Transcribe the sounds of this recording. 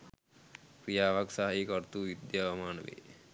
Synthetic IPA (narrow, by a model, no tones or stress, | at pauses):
kɾijaːʋaksaɦaikɔɾt̪uʋid̪jaʋɐmaːnəʋḛ